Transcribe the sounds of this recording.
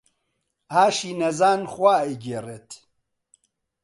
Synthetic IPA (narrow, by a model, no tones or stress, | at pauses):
aːʃiːnɐzaːnxwaːeɡeret̪ʰ